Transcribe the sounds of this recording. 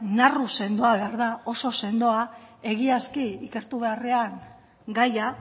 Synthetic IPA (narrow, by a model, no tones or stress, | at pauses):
naruse̞nd̪o̞aβe̞aɾðao̞so̞se̞nd̪o̞ae̞ɣiaskiike̞ɾt̪uβe̞are̞aŋ | ɡaja